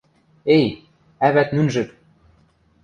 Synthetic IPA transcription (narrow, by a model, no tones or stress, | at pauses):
ej | æβæt̪nynʒɘ̆k